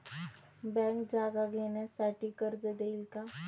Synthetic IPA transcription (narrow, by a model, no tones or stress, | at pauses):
bɛ̃ŋkd͡zaɡaɡʱeɳjasaʈiːkəɾd͡zəd̪eilka